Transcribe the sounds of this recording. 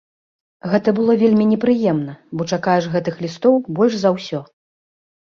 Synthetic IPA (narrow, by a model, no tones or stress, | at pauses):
ɣɛt̪ɐbɨlˠɔvʲelʲmʲinʲɛpɾɨjɛmn̪ɐbɔt͡ʂakajɛʂɣɛt̪ɨxlʲist̪ɔwbɔlʲʐzɐwsʲɔ